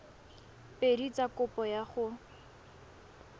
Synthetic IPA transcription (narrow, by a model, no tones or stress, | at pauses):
pedit͡sʼakʊpɔjaχʊ